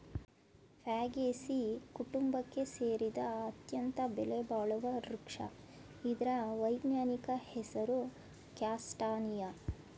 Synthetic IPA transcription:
pʰaːɡeːsikuʈumbɐkːe̞seːɾid̪ɐːt̪jɐnt̪ɐbɛlebaːɭɐʋɐɾukʂɐ̰ | id̪ɐɾɐʋɐjbnaːnikɐhɛsɐɾu | kjaːsʈaːnijɐ

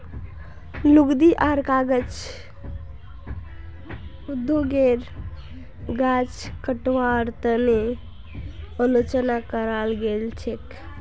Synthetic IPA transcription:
luɡd̪iʔaɾkaɡət͡ʃ | ud̪ʱːoɡeɾ | ɡat͡ʃkəʈwaɾt̪əne | əlot͡ʃənakəɾalɡelt͡ʃʰek

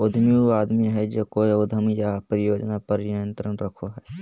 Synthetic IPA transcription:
ʊd̪ʱmiaːd̪miɦɛd͡ʒoːkoːiʊd̪ʱəmjapɾɪjoːd͡ʒnapəɾɪjənt̪ɾənɾəkʰoɦɛː

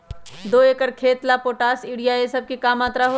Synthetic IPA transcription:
d̪oːeːkəɾkʰeːt̪lapoːʈaːsiːɽijaesɐb̚kikaːmaːt̪ɾaɦo

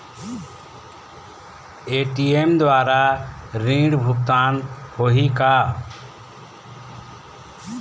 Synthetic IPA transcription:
eʈiemd̪waɾaɾĩɖbʱup̚t̪anhoɦika

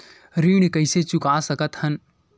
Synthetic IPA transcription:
ɾiːɽ̃kɐɪset͡ʃʊkaːsɐkət̪hɐn

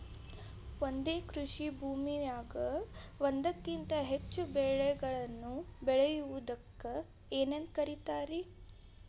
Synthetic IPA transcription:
ʋond̪eːkɾuʂibʱuːmijaːɡɐ | ʋond̪ɐkːint̪ɐɦet͡ʃːubɛɭɛɡɐɭɐnːubɛɭɛjuʋud̪ɐkːɐ | eːnend̪̚kɐɾit̪aːɾi

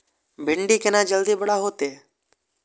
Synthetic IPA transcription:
bʱɪɳɖiːkenaːd͡ʒəld̪iːbəɽaɦoːt̪eː

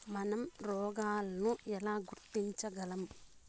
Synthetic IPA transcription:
mɐnɐmɾɔːɡaːlɐnuʔɛlaːɡuɾt̪iɲt͡ʃɐɡɐlɐm

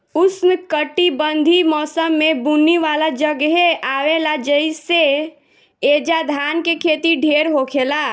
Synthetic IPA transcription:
usnəkəʈibənd̪ʱimɔːsəmːebunːiʋalad͡ʒəɡɦeʔaʋelad͡ʒəɪse | ed͡ʒad̪ʱankekʰet̪iɖʱeɾɦokʰela

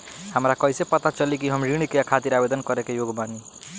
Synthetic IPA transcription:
həmɾakʌjsepʌt̪at͡ʃʌlikiɦʌmɾiɽ̃ikeakʰat̪iɾabed̪ənkʌɾekejoɡbani

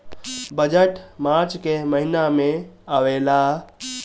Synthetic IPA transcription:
bəd͡ʒəʈmaɾt͡ʃkeməɦinameaʋela

